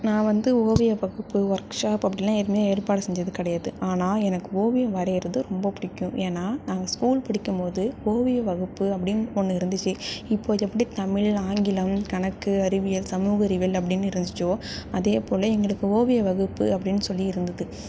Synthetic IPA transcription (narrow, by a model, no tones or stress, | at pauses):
nãːʋɐnd̪ɯoːʋɪjɐʋɐɣɯpːɯʋɐɾkʂaːpɐpːɐɽɪlːãːɛɾmejeːɾpaːɽɐsɛɲd͡ʒɐðɯkɪɽɐjaːðɯʔaːnaːɛnɐkːɯoːʋɪjɐʋɐɾɛːɾɐðɯɾɔmbɐpɪɽɪkːʊ̃ʔeːnːaːnaːŋɡɐskuːlpɪɽɪkːɯmpoːðɯoːʋɪjɐʋɐɣɯpːɯɐpːɐɽɪnɔnːɯɪɾɯnd̪ɯt͡ʃːɯɪpːoːðɛpːɐɽit̪ɐmɪɭaːŋɡɪlɐmkɐɳɐkːɯɐɾɪʋɪjɐlsɐmuːɣɐɾɪʋɐlɐp̬ːɐɽɪnːɯɪɾɯnd̪ɪt͡ʃːoːɐðeːpoːlɐɛŋɡɐɭɯkːɯoːʋɪjɐʋɐɣɯpːɯɐpːɐɽɪnːɯsɔlːiɪɾɯnd̪ɐðɯ